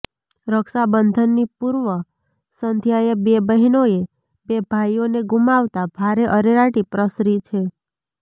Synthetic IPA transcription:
ɾəkʃabənd̪ʱənːipuɾʋə | sənd̪ʱjajebebəɦinoe | bebʱajoneɡumaʋt̪abʱaɾeʔəɾeɾaʈipɾəsɾit͡ʃʰe

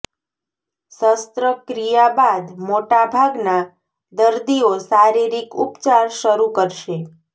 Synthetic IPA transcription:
səst̪ɾəkɾijabad̪moʈabʱaɡna | d̪əɾd̪iosaɾiɾikupt͡ʃaɾʃəɾukəɾʃe

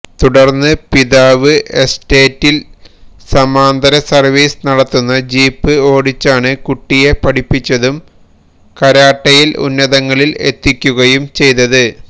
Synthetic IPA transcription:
t̪uɽɐrnːɨpiðaːʋɨʔeste̞ːtːilsɐmaːnd̪ɐɾɐsɐrʋiːsnɐɽɐt̪ːunːɐd͡ʑiːpːɨo̞ːɽit͡ɕːaːɳɨkuʈːije̞pɐɽipːit͡ɕːɐðum | kɐɾaːʈːɐjilṵnːɐðɐŋːɐɭile̞̰t̪ːikʲːuɣɐjumt͡ɕe̞jt̪ːɐðɨ

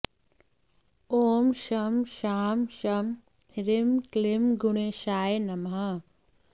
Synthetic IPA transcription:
oːmʃɐmʃaːmʃɐm | hɾɪmklimɡʊɽeʃaːenɐmɦɐ

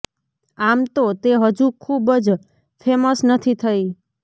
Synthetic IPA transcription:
amt̪ot̪eɦəd͡ʒũkʰubəd͡ʒ | fʰeməsnət̪ʰit̪ʰəj

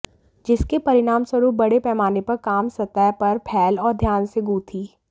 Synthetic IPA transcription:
d͡ʒɪskepɐɾɪɽaːmswɐɾuːp̚bɐɽepɛːmaːnepɐɾkaːmsɐt̪əpɐɾpʰɛːlɔːɾd̪ʱjaːnseɡuːt̪ʰiː

